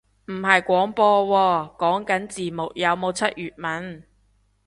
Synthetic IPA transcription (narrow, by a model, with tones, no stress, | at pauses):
m̩˨˩ɦɐ˨jkʷɔː˨˥ŋpɔː˧wɔː˧kɔː˨˥ŋkɐ˨˥nt͡siː˨˩mʊ˨k̚jɐ˨˧wmo˨˧wt͡sʰɐ˥t̚jyː˨t̚mɐ˨˥n